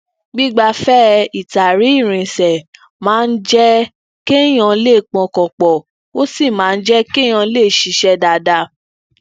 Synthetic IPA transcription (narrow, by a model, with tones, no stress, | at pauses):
ɡ͡bi˦ɡ͡ba˧fɛ˦i˨ta˨ɾi˨˦i˦˨ɾ̃ĩ˨sɛ˨ | mãː˦˧n̩˦d͡ʒɛ˦ | ke˦j̃ã˧le˦˨k͡pɔ̃˨˧kɔ̃˨k͡pɔ˨ | o˦si˦˨mãː˨˦˧n̩˦d͡ʒɛ˦kẽ˦ã˧˦le˦˨ʃi˧˦ʃɛ˦da˧da˧